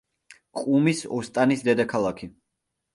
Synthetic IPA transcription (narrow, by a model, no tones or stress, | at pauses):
qʼumisɔst̪ʼanisd̪ɛd̪akʰalˠakʰi